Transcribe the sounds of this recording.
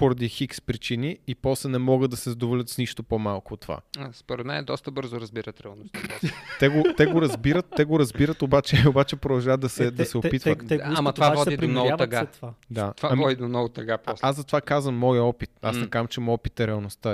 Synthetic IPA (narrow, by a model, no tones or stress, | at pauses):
poɾɐd̪ixikspɾit͡ʃiniipɔslɛnɛmɔɡət̪d̪ɐsɛzd̪ovolʲət̪sniʃt̪opomalˠkʊot̪ːova̰spoɾɛd̪mɛnɛd̪ɔst̪əbɤɾzʊɾɐzbiɾət̪ɾɛɐlˠnost̪t̪ɛɡot̪ɛɡoɾɐzbiɾət̪ːɛɡoɾɐzbiɾət̪obat͡ʃɛobat͡ʃɛpɾod̪ɐlˠʒavəd̪ɐsɛd̪ɐsɛopit̪vət̪amɐt̪vavɔd̪idɾiomnɔvoaɐɡat̪vaavaamvɔd̪id̪omnɔvʊt̪ɐɡapɔsasɐt̪ovakazvəmːɔjɔpit̪a̰snɛkamt͡ʃɛmɔpit̪ɛɾɛɐlˠnost̪a